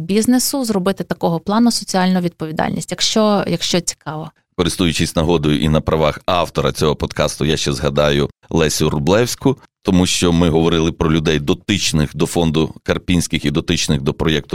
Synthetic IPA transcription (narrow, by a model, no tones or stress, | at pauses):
bʲiznesʊzrɔbɪt̪ɪt̪ɐkɔɦɔplˠɑnʊsɔt͡sʲiɑlʲnʊʋʲid̪̚pɔʋʲid̪ɑ̰lʲnʲḭsʲtʲjɐkʃt͡ʃɔjɐkʃt͡ʃɔt͡sʲi̥kɑʋɔ | kɔɾɪst̪ujʊt͡ʃɪsʲnɐɦɔd̪ɔjʊʔinɐpɾɐʋɑxɑwt̪ɔɾɐt͡sʲɔɦɔpɔd̪kɑst̪ʊjaʃt͡ʃɛzɦɐd̪ɑjʊlˠɛsʲʊɾʊblˠɛwsʲkʊt̪ɔmuʃt͡ʃɔmɪɦɔʋɔɾɪlˠɪpɾɔlʲʊd̪ɛjd̪ɔt̪ɪt͡ʃnɪxd̪ɔfɔnd̪ʊkɐrpʲinʲsʲkɪxid̪ɔt̪ɪt͡ʃnɪxd̪ɔpɾɔjɛk̚t̪ʊ